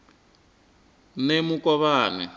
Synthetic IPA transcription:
nemukʼɔβaːnɛ̰

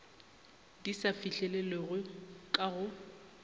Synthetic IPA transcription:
disafiɬɛlɛleɣʊkʼaɣʊ

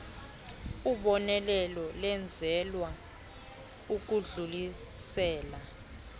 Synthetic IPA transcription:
uɓɔnɛlɛlɔlɛnd͡zʱɛlwa | uk̬uɮuli | sɛːla

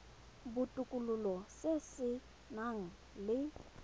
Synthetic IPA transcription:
bʊtʼʊkʼululɔsesɪ | naŋ̩ | lɪ

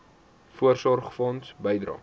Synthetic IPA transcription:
fuərsɔrχfɔnsbəjdɾɑ̰ː

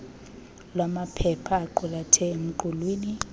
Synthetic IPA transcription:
lwamapʰɛpʰaːǃulatʰɛem̩ǃʰulwiːni

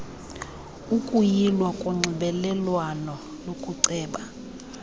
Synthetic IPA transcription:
ukʼujilwakʼuŋ͡ǀʱiɓɛlɛlwanɔ | lokʼuǀɛːɓa

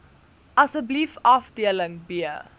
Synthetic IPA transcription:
ʔɐsəblifɐfdiələŋbiə

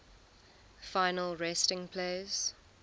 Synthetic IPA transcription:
fãɪnəlˠɹɛstɪ̃ŋpʰleɪz̥

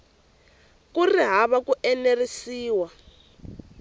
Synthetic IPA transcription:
kuriɦaβakuʔɛnerisiːwa

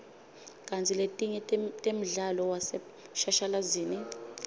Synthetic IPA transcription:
kʼant͡sʰʼiletʼiɲɛtʼem̩ɮalɔwasɛ | ʃaʃalaziːni

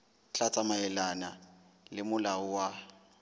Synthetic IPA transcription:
t͡ɬʼat͡sʼamaɛlanalɪmʊlaʊwa

